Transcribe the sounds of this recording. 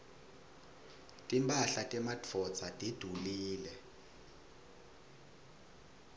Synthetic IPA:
tʼimpʼaɬatʼɛmatʰɔ̥t͡sʰʼatʼid̥ʱuliːlɛ

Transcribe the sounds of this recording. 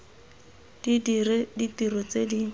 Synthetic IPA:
d̥ididitiɾɔt͡sedi

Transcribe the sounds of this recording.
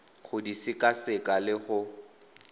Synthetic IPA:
χʊdisɪkʼasɪkʼalɪχʊ

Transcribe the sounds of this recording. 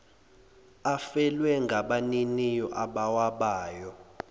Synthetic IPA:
afɛlwɛŋɡʱaɓaninijɔʔaɓawaɓaːjɔ

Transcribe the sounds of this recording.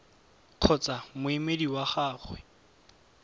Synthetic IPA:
q͡χʰɔt͡samʊimediwaχaːχwɛ

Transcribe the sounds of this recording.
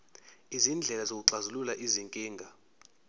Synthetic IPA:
izind͡ɮʱɛlazok̬uǀazululaʔiziŋkʼiːŋɡʱa

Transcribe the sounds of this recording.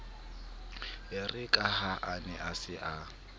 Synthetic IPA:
ɪrɪkʼahaʔanɛʔasɪʔa

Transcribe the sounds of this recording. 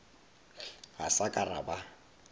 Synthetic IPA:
ɣasakʼara̰ba

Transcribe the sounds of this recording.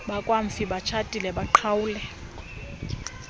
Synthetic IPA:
ɓakʼwaɱ̩fiɓat͡ʃʰatʼilɛɓaǃʰawuːlɛ

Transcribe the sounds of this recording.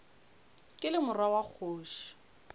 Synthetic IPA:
kʼɪlɪmʊrwawak͡xʰoːʃɔ̥

